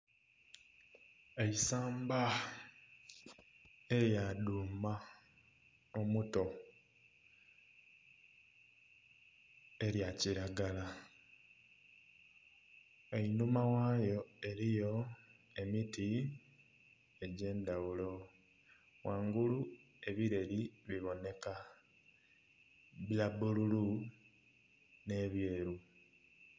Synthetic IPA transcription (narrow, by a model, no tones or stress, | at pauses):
eisaːmba | e̞ɾjaduːma | omuto̞ | e̞ɾjaciɾaɡala | einumawaːjo̞e̞ɾijo̞ | e̞miti | e̞ɟe̞ːndawulo̞ | waːŋɡulu | e̞βiɾe̞liβiβo̞ne̞ka | βjabululu | ne̞ːβjeːɾu